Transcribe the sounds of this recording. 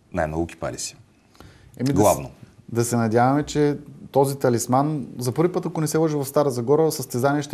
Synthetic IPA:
na̰jmnɔ̰ɡʊkʲi̥pa̰lḭsi̥ | ɛmid̪ɡlˠa̰vno̰d̪ɐsɛnɐd̪ʲjavɐmɛt͡ʃɛt̪ɔzit̪ɐlismanzɐpɤɾvʲipət̪ɐkʊnɛsɛlˠɔʒivɐfst̪aɾəzɐɡɔɾəsɐst̪ɛzaniɛʃt̪ɛ

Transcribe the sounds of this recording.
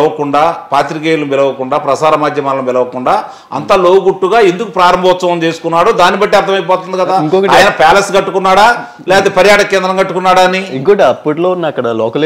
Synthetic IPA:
ɐʋɐkuɳɖaːpaːt̪ɾikeːjlɐbɛlɐʋɐkuɳɖaːpɾɐsaːɾɐmaːd̪ʱjɐmalɐmbɛlɐʋɐkuɳɖaː | ɐ̰nt̪aːlo̞ːwuɡuʈːuɡaːend̪ukupɾaːɾɐmbʱɐʋɐt̪sɐmɐmt͡ʃeːsu̥kunːaːɽod̪aːnibɐʈːiɐɾt̪ʰɐmɐjp̬ɔːt̪und̪ikɐd̪aːiŋkoːkɐaːjɐnɐpɛːlɐsɡɐʈːukunːaːɽaː | lɛːɐt̪epɐɾjaːʈɐkɛːnd̪ɾɐŋɡɐʈːukunːaːɽaːnːiikoʈiɐpːuʈloːnːɐkːɐɽɐlɔːkɐl

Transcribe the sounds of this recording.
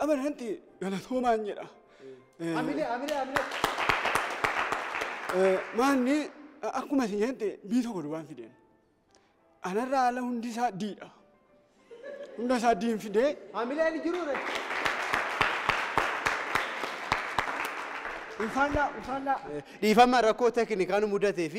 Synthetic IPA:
ʔɐbɐnɐnt̪ɪ | ɡɐlɐt̪ʰoːmaːnd͡ʒɛᶑɐ | mɪlamɪlmɪl | maːnːɪɐkːʊmɐsɪɲɐnt̪ɪbiːt̪ɔkːɔd̪ʊbaːnfɪd̪ḛːn | ʔɐnɐrːaːlɐhʊnd̪ɪs̬aːd̪iːᶑɐ | hʊnd̪ɐs̬aːd̪iːnfɪd̪ehamɪleːnɪd͡ʒɪɾuɾɛt͡ʃːɪ | ɪnfalaɪfaa | ᶑiːfɐmːaɾɐkːoːt̪ɛkɪnɪkaːnʊmʊd̪ɐt̪eːfɪ

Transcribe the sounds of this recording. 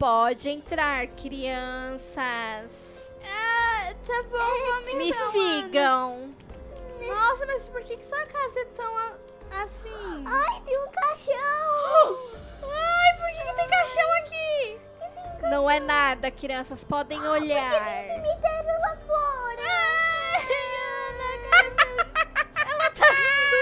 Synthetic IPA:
pɔd͡ʒɪẽt̪ɾaɾkɾiɐ̃sɐs | at̪abõw̃ãmẽmɪsiɡɐ̃w̃ | nɔsɐmɐzspoɾkekɪ̥sɔɐkazɐt̪ɐ̃w̃a | asĩajt̪ẽj̃ũkaʃɐ̃w̃ | ajpoɾkekɪt̪ẽj̃kaʃɐ̃w̃aki | ẽt̪ẽj̃ũkanɐ̃w̃ɛnad̪ɐkɾiɐ̃sɐspɔd̪ẽj̃oʎaeɾsɪ̃mit̪evelɐfɔɾɐ | ɛlɐt̪ʰa

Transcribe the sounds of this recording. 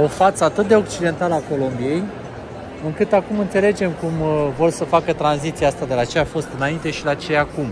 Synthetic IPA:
o̞fat̪səat̪ɨt̪̚d̪e̞o̞k̚t͡ʃid̪e̞nt̪aləako̞lo̞mbije̞j | ɨŋkɨt̪akumɨnt̪se̞le̞d͡ʒe̞mkumvo̞rsəfakət̪ɾanzit̪siaast̪ad̪e̞lat͡ʃejafo̞st̪ɨnaint̪e̞ʃilat͡ʃe̞jakum

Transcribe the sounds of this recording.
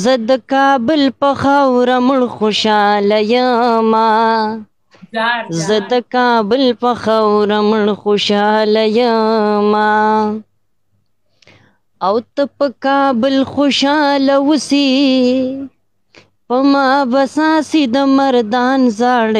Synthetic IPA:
zəd̪əkɑːbɪlpɐxawɾamʊɳxoʃɑlajama | zəd̪əkɑːbɪlpɐxawɾamʊɳxoʃɑlajama | awt̪əpəkɑːbɪlxoʃɑːlawusi | pəmɑbasãːsid̪əmɐɾd̪ɑːnzaːɽ

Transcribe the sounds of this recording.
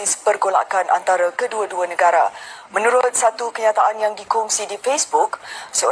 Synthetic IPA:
ispərɡola̰kanʔa̰nt̪aɾakəduaduanə̃ɡaɾa̰mə̃nũɾʊt̪̚sat̪ukəɲãt̪aʔanjaŋdikɔŋsidifesbʊksəo

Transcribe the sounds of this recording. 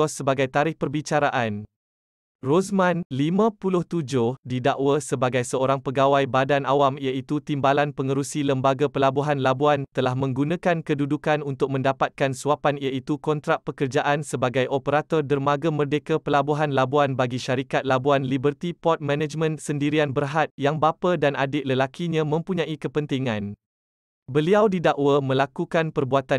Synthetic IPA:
ɔsːəbaɡajt̪aɾɪhpərbit͡ʃaɾaʔan | rosmãnlimãpulʊht̪ud͡ʒʊhdidaʔwasəbaɡajsəoɾaŋpəɡawajbadanawamijait̪ut̪imbalanpəŋəɾusiləmbaɡapəlabuɦanlabuant̪əlahmə̃ŋɡunãkankədudukanunt̪ʊk̚mə̃ndapat̪̚kansuapanijait̪ukɔnt̪ɾaʔ̚pəkərd͡ʒaʔansəbaɡajʔopəɾat̪ɔrdərmaɡamərdekapəlabuɦanlabuanbaɡiʃaɾikat̪̚labuanlibərt̪ipɔt̪̚mɛ̃nad͡ʒmə̃nsəndiɾianbərɦat̪̚jaŋbapadanadɪʔləlakiɲãmə̃mpuɲãʔikəpənt̪iŋãn | bəliawdidaʔwamə̃lakukanpərbuat̪a

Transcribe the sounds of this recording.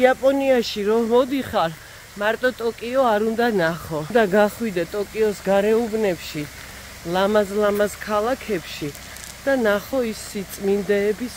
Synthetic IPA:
iapʼɔniaʃiɾɔmɔd̪iχaɾ | maɾt̪ʼɔt̪ʼɔkʼiɔaɾund̪anaχɔd̪aɡaχwid̪ɛt̪ʼɔkʼiɔsɡaɾɛubnɛpʃi | lˠamazlamazkʰalˠakʰɛpʃi | d̪̥anaχɔisːit̪sʼmind̪ɛːbis

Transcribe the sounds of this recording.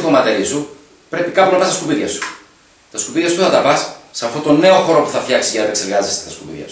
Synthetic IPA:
komɐt̪elisu | pɾe̞pikɐpunɐpɐst̪ɐskupiðʝɐsu̥ | t̪ɐskupiðʝɐst̪uθɐt̪ɐpɐssɐft̪o̞t̪o̞nːe̞o̞xo̞ɾo̞puθɐfçɐksizɐnɐt̪ekseɾɣɐzest̪et̪ɐskupḭðʝɐ̰su̥

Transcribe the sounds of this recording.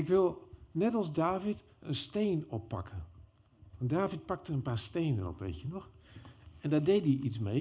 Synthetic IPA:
ɪkʋɪlˠnɛtɑlˠsdaːvit | ʔənsteːnɔpːa̰kʰən | ʋɑndaːvit̚pak̚təənpaːɹsteːnə̰nɔ̰pʋḛtjənɔx | ɛndadeːtdiʔitsmej

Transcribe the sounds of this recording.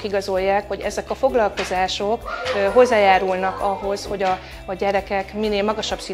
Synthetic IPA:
kiɡɒzo̞jːaːkho̞ɟɛ̰zɛkɒfo̞ɡlɒlko̞zaːʃokɦo̞zːaːjaːɾulnɒkɒɦo̞sho̞ɟɒː | ɟɛɾɛkɛkmineːlmɒɡɒʃɒbsi

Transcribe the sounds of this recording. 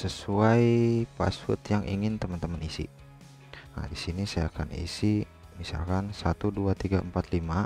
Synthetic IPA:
səsuajpa̰sʊt̪jaŋʔiŋɪnt̪əmant̪əmanisḭ | a̰disinisajakanḭsi | misa̰lkansat̪uduat̪iɡaəmpat̪lima

